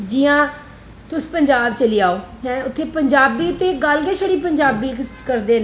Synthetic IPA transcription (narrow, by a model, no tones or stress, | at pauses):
d͡ʒiːãː | t̪ʊspəɲd͡ʒaːbt͡ʃəliːaːoːɦɛ̃ːʊt̪ʰːeːpəɲd͡ʒaːbiːt̪eːɡəlɡeːʃəɽiːp̬əɲd͡ʒaːbiːkkəɾd̪eːn